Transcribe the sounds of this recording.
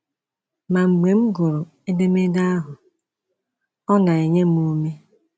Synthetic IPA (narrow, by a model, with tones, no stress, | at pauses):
ma˨ŋ͡m̩˨ɡ͡be˨ŋ͡m̩˦ɡo˨ɾo˨ | e˦de˦me˦da˦a˦ɦʊ˨ | ɔ˦na˨e˨ɲe˦mu˦me˦